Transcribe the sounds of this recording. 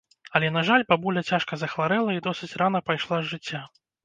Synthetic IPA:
ɐlʲɛnɐʐalʲpabulʲɐt͡sʲaʂkɐzɐxvaɾɛlˠɐid̪ɔsɨt͡sʲranɐpajʂlˠazʐɨt͡sʲːa

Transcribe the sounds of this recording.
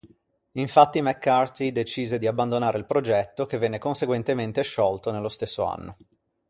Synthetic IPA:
iɱfat̪ːimɛkːart̪id̪et͡ʃiːzed̪iabːand̪onaːɾeilpɾod͡ʒɛt̪ːokevːɛnːekonseɡwent̪ement̪eʃɔlt̪onelːost̪esːoa̰nːo

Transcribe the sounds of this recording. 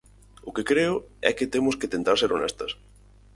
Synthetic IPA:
ʊkekɾeʊɛ̰kɪt̪emʊsket̪ent̪aɾseɾonɛst̪ɐs

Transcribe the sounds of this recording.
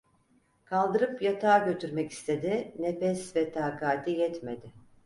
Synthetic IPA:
kʰalˠd̪ɯɾɯpjat̪ʰaːɟø̞t̪ʰyɾmɛci̥st̪ʰe̞d̪ɪnefɛsvɛt̪ʰaːkʰaːt̪ʰijɛt̪med̪ɪ

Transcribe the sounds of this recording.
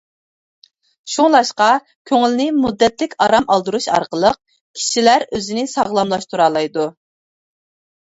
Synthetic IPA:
ʃuŋlˠɑʃqɑ | kʲʰøŋɪlnɪmud̪ːɛt̪lɪkʲɑɾɑmʔɑlˠd̪uɾuʃɑ̰ɾqəlˠəq̚ | kʲʰi̥ʃilæɾøzɪnɪsɑʁlˠɑmlˠɑʃt̪ʰuɾɑːlˠɑjd̪u

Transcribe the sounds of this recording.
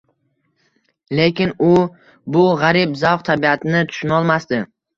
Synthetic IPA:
le̞kʲɪnʊ | bʊʁaɾɪbzawχt̪ʰabiat̪ʰɪnɪt̪ʰʊ̥ʃɪnɒlˠmast̪ɪ

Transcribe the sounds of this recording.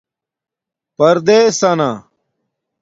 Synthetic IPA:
pɐɾd̪eːsɐna

